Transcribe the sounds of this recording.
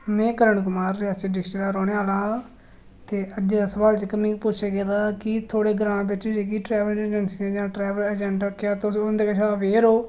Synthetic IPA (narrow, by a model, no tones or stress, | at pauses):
mɛ̃ːkəɾəɳkʊmaːɾːɪaːst͡ʃeɖɪkʃeːd̪aːɾoːɳeːaːlãː | t̪eːəd͡ʒd͡ʒeːd̪aːsəʋaːlt͡ʃekəmɪ̃ːpʊt͡ʃʰeːɡeːd̪aːkɪt̪ʰoːɽeːɡɾãːbet͡ʃːid͡ʒeːkiːʈɾɛːʋəɾd͡ʒəɳsiãːd͡ʒãːʈɾɛːʋələd͡ʒɛ̃ɳʈəkʰːejaːt̪ːʊd̪eːkət͡ʃʰaːʋeːɾoː